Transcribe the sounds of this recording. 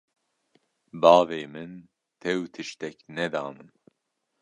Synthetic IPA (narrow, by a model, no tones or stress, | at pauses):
bɑːveːmɨn | t̪ʰɛwt̪ʰɨʃt̪ɛknɛd̪aːmɨn